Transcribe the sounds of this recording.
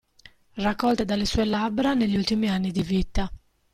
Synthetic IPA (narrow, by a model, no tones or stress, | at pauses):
rakːɔlt̪ed̪alesuːelabɾaneʎːult̪imianːid̪ivit̪a